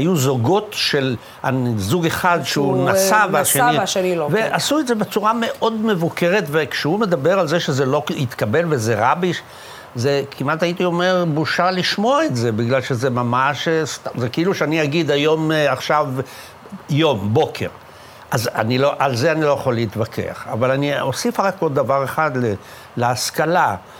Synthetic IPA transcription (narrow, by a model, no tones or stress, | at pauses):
ajuzoɡo̞tʃel | a̰zuɡe̞χadʃeunasavaʃeiʃeniloveʔasuezebe̞t͡suʁame̞ʔo̞d̪me̞vuke̞ʁet̪vekʃehume̞d̪abe̞ʁalzeʃezelo̞it̪kabe̞lve̞zeʁabiʃ | zekʰimat̪ait̪io̞me̞ʁbuʃaliʃmo̞aetze̞biɡlalʃezemamaʃst̪amzekeiluʃeaniaɡid̪ajo̞maχʃav | jo̞mbo̞kʰe̞̰ʁ | azanilo̞ʔalzeanilo̞jaχoleit̪vakʰḛa̰χa̰valaniosifaʁakoddːavaʁeχad̪le | leaskala